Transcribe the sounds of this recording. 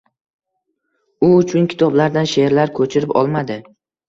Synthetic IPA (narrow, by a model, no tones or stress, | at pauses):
ʊʊt͡ʃʰʊŋkʲʰɪ̥t̪ʰɒblaɾd̪anʃe̞ɾlaɾkʰɵt͡ʃʰɪɾɪpɒ̰lˠmad̪ɪ